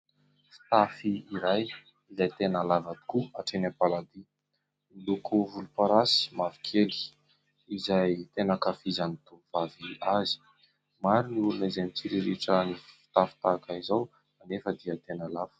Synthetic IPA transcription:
fi̥t̪afiːɾaj | izajt̪enəlavad̪i̥kuaʈ͡ʂenapalad̪i | milukuvulupaɾasi̥mavi̥kʰeli̥ | izajt̪enəkafizanit̪uv̥aviazi̥ | maɾiniulunaizamit͡siɾiɾiʈ͡ʂəniffi̥t̪afi̥t̪akaizaw | manefəd̪iət̪enalav̥ə̥

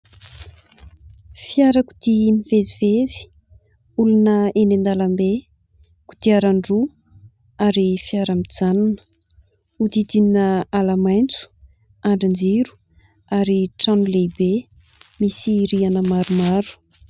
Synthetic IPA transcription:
fiaɾəku̥d̪imivezivezi̥ | ulunəenend̪alambe | ku̥d̪̥iaɾaɳɖ͡ʐu | aɾifiaɾamid͡zananə̥ | ud̪id̪ininəalamajnt͡su̥ | aɳɖ͡ʐand͡ʒiɾu̥ | aɾiʈ͡ʂanulebe | misiɾianəmaɾumaɾu̥

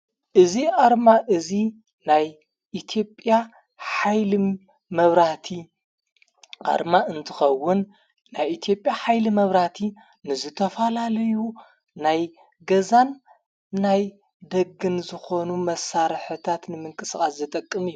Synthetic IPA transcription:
ʔɨziʔaɾmaʔɨzi | naj | ʔit̪ʰijo̞pʼːja | ħajli | mɐβɾat̪ʰi | ʔa̰ɾmaɨnt̪ʰɨxɐwːʊnː | ajit̪ʰjo̞pʼjaħajlimɐβɾat̪ʰi | nɨzɨt̪ʰɐfɐlalɐju | naj | ɡɐzanː | aj | d̪ɐɡːɨnzɨxo̞numɐsːaɾħɨt̪ʰat̪nɨmɨŋkʼɨsxʼaszɨt̪ʼɐkʼːɨmɨjːu

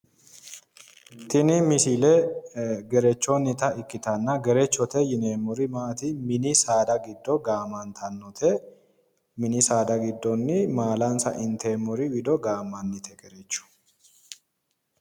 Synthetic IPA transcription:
t̪ɪnɪmɪsilɛ | ɡɛɾɛt͡ʃːɔnːɪt̪ɐɪkːɪt̪ɐnːɐɡɛɾɛt͡ʃːɔt̪ɛjɪneːmːɔɾɪmaːt̪ɪmɪnɪsaːd̪ɐɡɪd̪ːɔɡaːmɐnt̪ʰɐnːɔt̪ʰɛ | mɪnɪsaːd̪ɐɡɪd̪ːɔnːɪmaːlɐnsɐ̰ʔɪnt̪eːmːɔɾɪwɪd̪ɔɡaːmːɐnːɪt̪ʰɛɡɛɾɛt͡ʃːʊ̥

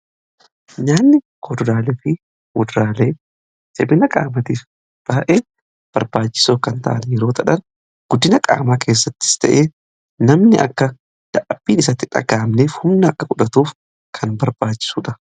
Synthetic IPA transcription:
ɲaːnːɪ | kʰod̪ʊɾaːlɛfɪ | wʊd̪ɾaːleː | sɛbɪnɐkʼa̰ːmɐt̪iːf | b̥aːʔe̞ː | b̥ɐɾbaːt͡ʃːɪ̥soːkɐnt̪ɐʔɐnjɛɾo̞ːt̪ɐᶑɐn | ɡ̥ʊd̪ːɪnɐkʼa̰ːmaːkʰe̞ːs̬ːɐt̪ːɪɪ̥st̪ɐʔeː | nɐmnɪʔɐ̰kːɐ | d̪̥ɐʔɐbiːnɪsɐt̪ːɪᶑɐ̰ɡaːmneːfhʊmnɐɐkːɐkʼʊᶑɐt̪uːf | kʰɐnbɐɾb̥aːt͡ʃːɪ̥suːᶑɐ

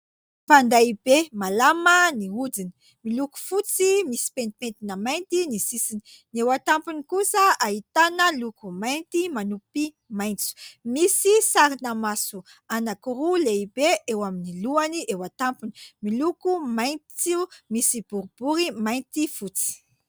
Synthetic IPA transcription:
pand̪aibemalaməniud͡zini̥ | miluku̥fut͡simisi̥pent̪ipent̪inəmajnt̪inisisini̥ | niewat̪ampunikusəaɦit̪anəlukumajnt̪imanupi | majnt͡su̥misisaɾinamasu | anakuɾuleibeewaminiluaniʔewat̪ampuni̥milukumajnt͡sumisib̥uɾub̥uɾimajnt̪ifut͡si̥

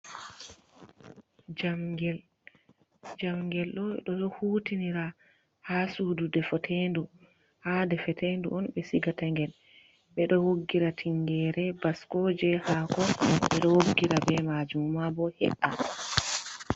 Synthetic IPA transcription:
d͡ʒamɡɛl | d͡ʒamɡɛlɗɔɗɔɔhuːtiniɾa | hasuːdudɛfɔtʰendu | hadɛfɛtenduʔɔnɓɛsiɡataŋɡɛl | ɓɛɗɔwoɡːiɾatʰiŋɡɛɾɛbaskɔd͡ʒɛhaːkɔɓɛɗɔwoɡːiɾabɛmad͡ʒummabɔhɛ̰ʔa

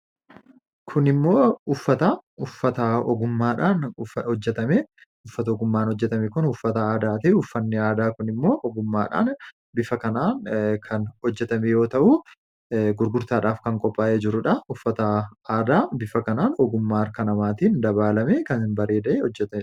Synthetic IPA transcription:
kʰʊnɪmːo̞ːʊfːɐt̪ɐʊfːɐt̪ɐɔ̰ɡʊmːaːᶑaːnhɔd͡ʒːɛt̪ɐme | ʊfːɐt̪ɐɔɡʊmːaːnhɔd͡ʒːɛt̪ɐmɛkʊnhʊfːɐt̪ɐaːd̪aːt̪ɐʔɛʊfːɐnːɪaːd̪aːkʊnɪmːo̞ːʔɔɡʊmːa̰ːᶑa̰ːn | bɪfɐkɐnaːnkʰɐnhɔd͡ʒːɛt̪ɐmɛjo̞ːt̪ɐʔu | ɡʊɾɡʊɾt̪aːᶑaːfkɐŋkʼɔpʼːaːʔeːd͡ʒɪɾʊᶑɐʊfːɐt̪ɐaːd̪aːbɪfɐkɐnaːnɔɡʊmːaːɐɾkɐnɐmaːt̪iːnd̪ɐβaːlɐmekɐnɪnbɐɾeːd̪ɐʔeːhɔd͡ʒːɛt̪ɐ

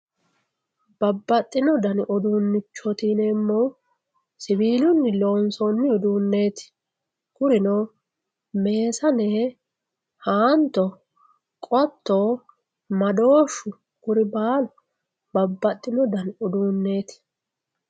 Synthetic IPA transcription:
b̥ɐbːɐt̪ʼːɪnɔd̪ɐnʔɔd̪uːnːɪt͡ʃːɔt̪iːnɛmːoː | sɪbiːlʊnːɪloːnsɔnːɪɔd̪uːnːe̞ːt̪ɪ̥ | kʊɾɪnoː | me̞ːsɐneː | haːnt̪ːɔ | kʼɔt̪ːo | mɐd̪oːʃʊ | ɡʊɾɪbaːlʊ | bɐbːɐt̪ʼːɪnɔd̪ɐnɔd̪uːnːe̞ːt̪ɪ̥

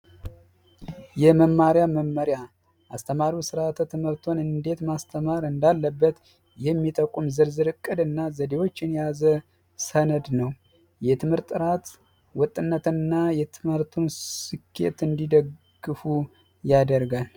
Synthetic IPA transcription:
jɛməmːaɾjaməmːəɾja | ʔast̪ʰəmaɾusɨɾat̪ʰət̪ʰɨmɨɾt̪ʰo̞nɨnd̪e̞t̪mast̪ʰəmaɾɨnd̪alːəbːət̪ | jɛmːit̪ʼəkʼːumzɨɾzɨɾɨkʼːɨd̪ɨnːazəd̪e̞wo̞t͡ʃːɪnjazə | sənəd̪nəw | jɛt̪ʰɨmhɨɾt̪ʼːɨɾat̪ | wɔt̪ʼːɨnːət̪ɨnːajɛt̪ʰɨmhɨɾt̪ʰunsɨkʰːe̞̰t̪ɨnd̪id̪əɡɡɨfu | jad̪əɾɡal

